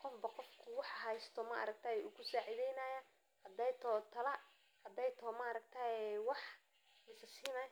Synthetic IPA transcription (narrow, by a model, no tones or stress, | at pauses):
qɔfbɐqɔfkʰʊwɑħɦɛjst̪ʰɔmɐ̰ʔɐ̰ɾɐk̚t̪ʰaːjʔʊkʊsaːʕiðɛjnɐjɐ | hɐd̪ɛjt̪ʰɔt̪ʰɐlɐ | hɐd̪ɛjt̪ʰɔmɐɾɐɡ̚t̪ʰajɛwɑħ | lɪsɐsiːnɐj